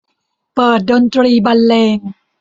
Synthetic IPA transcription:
pɤː˨˩t̪̚do˧nt̪ɾiː˧˩ba˧nleː˧ŋ

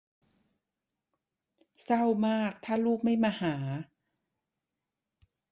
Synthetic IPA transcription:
sa˥˩wmaː˥˩k̚t̪ʰaː˥˩luː˥˩k̚ma˥˩jmaː˧haː˩˦

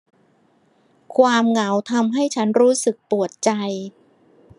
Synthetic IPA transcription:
kʰwaː˧mŋa˩˦wt̪ʰa˧mɦa˥˩jt͡ɕʰa˦˥nɾuː˦˥sɯ˨˩k̚pu˨˩ət̪̚t͡ɕa˧j

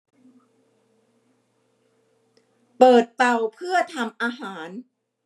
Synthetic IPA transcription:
pɤː˨˩t̪̚pa˨˩wpʰɯ˥˩ɐt̪ʰa˧mʔaː˧ɦaː˩˦n

